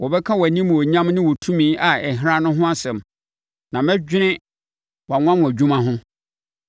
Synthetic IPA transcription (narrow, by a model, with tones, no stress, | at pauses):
wɔ˨bɛ˦kʰã˦wɔ˨æ˨nĩ˦m˨ɔ˨ɲã˦mnɪ̃˦wɔ˨tʰũ˦mĩː˨˦ʔa˨ɛ˨ɦɪ˦ɾa˦nʊ̃˦ɦʊ̃˦a˦sɛ̃˨m | nã˨mɛ̃˦d͡ʑᶣɪ˦nɪ̃˦ | wa˨ŋʷ˦ã˦mʊ̃˨æ˨d͡ʑᶣũ˦mã˦ɦʊ̃˦